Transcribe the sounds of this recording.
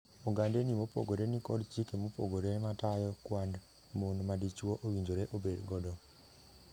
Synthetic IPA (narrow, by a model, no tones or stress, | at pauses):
oŋɡandenimopo̰ɡoɾenikɔdt͡ʃikemopo̰ɡoɾenmatajɔkwand | monmadit͡ʃwoʔowiɲd͡ʒoɾeʔobedɡɔdɔ